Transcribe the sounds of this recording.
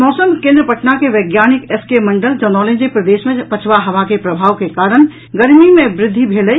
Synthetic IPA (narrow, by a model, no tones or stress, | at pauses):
mɔːsəmkẽnd̪ɾəpəʈnakeʋɐɡjaːnɪkeskeməɳɖəld͡ʒɔnɔːlẽnd͡ʒepɾəd̪eːʃmẽpɐt͡ʃʰʋaɦəʋakepɾəbʱaːʋkekaːɾəɳ̃ | ɡəɾmimẽbɾɪd̪ʱːibʱeːləj